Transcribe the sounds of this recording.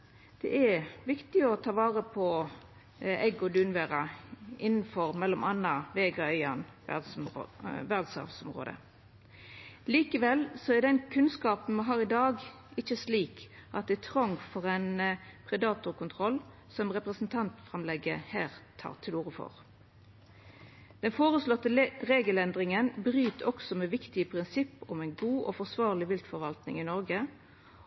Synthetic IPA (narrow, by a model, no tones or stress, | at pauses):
d̪̥ɛ̰ʔɛɾʋɪkt̪ɪɔt̪ʰɑːʋɑːʁəpʰɔ | ɛɡɔd̪ʉːnʋæːʁɑɪnːn̩fɔʁmɛlːɔmʔɑnːɑʋeːɡəœʏɑnʋæ̰d̪s | ʋæʁd̪sɑ̰ːʋsɔmʁo̰ːd̪ə̰ | liːkəʋɛlsɔæd̪ɛnkʰʉnskɑːpn̩mɑnɦɑːʁɪd̪ɑːɡ | ɪçːəsliːkʔɑt̪̚d̪ɛɪt̪ʰʁɔŋːfɔʁɛnpʰʁɛd̪ɑːt̪ʊʁkʊnt̪ʰʁɔl | sɔmʁɛpʁəsn̩t̪ʰɑnt̪fɾɑmlɛɡəhæːʁt̪ʰɑ̰ːʁt̪ʰɪluːʁəfɔ̰ʁ | d̪̥ɛnfoːʁəslɔt̪ːəʁeːɡəlɛnd̪ʁɪŋənbʁyːt̪ʰɔksɔmɛːʋɪkt̪ɪəpʰʁɪnsɪpːɔmæɪnɡuːʔɔfɔʁsʋɑːʁlɪʋɪlt̪fɔɾʋɑlt̪nɪ̰ŋɪnɔɾɡə